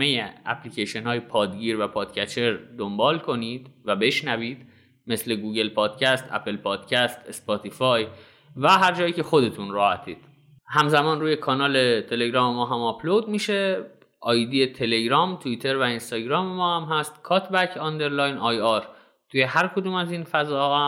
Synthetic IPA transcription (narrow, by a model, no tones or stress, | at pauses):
mejeæ̰pʰliceʃenhɒːjepʰɒːd̪ɟiːɾvæpʰɒːd̪̥cʰæt͡ʃʰe̞ɾd̪ombɒːlkʰo̞nid̪̥væbe̞ʃnæviːd̪ | me̞sle̞ɡuːɡe̞lpʰɒːd̪̥cʰæst̪ʰæ̰pʰe̞lpʰɒːd̪̥cʰæst̪ʰespɒt̪ʰifɒːj | væɦæɾd͡ʒɒːjiːce̞xo̞d̪e̞t̪ʰunɾɒːhæt̪ʰiːd̪̥ | hæmzæmɒːnruːje̞kʰɒːnɒːle̞t̪ʰe̞le̞ɡɾɒːmemɒːɦæmɒpʰlod̪̚miːʃe̞ | ʔɒːjd̪iet̪ʰe̞le̞ɟɾɒːmt̪ʰuit̪ʰe̞ɾvæinst̪ɒːɟɾɒːmemɒːhæmɦæst̪̚kʰɒːt̪ʰbæcʰɒnd̪e̞ɾlɒːjnɒjɒɾ | t̪ʰuːje̞ɦæɾkʰo̞d̪uːmæziːnfæzɒːhɒːh